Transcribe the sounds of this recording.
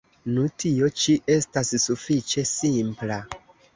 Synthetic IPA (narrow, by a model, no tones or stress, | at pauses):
nutʰio̞t͡ʃiʔe̞stassufit͡ʃe̞simpla